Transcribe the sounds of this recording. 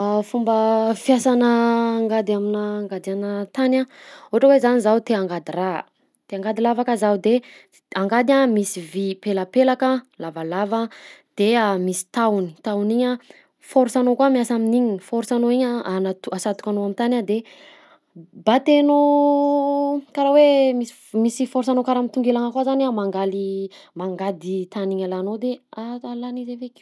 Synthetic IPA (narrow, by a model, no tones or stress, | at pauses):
afumbəfjasanəːŋɡad̪aminaːŋɡad̪ianət̪anaoʈ͡ʂəwezanizawt̪eaŋɡad̪ira | t̪eaŋɡad̪ilavakəzaud̪e | aŋɡad̪amisivipeləpelakəlavalavəd̪̥eamisi̥t̪awni̥t̪awniɲa | foɾsanokuamiasaminiɲifoɾusanoiɲaanat̪uasat̪u̥kanoamint̪anad̪e | bat̪eno | kaɾawemi | misifoɾusanokaɾamit̪uŋɡelaŋakazanamaŋɡalimaŋɡad̪it̪aniɲalanod̪eaalanizevekʲ